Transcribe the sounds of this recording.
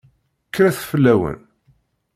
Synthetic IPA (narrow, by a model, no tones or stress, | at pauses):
kːɾæθfəlːæwə̰n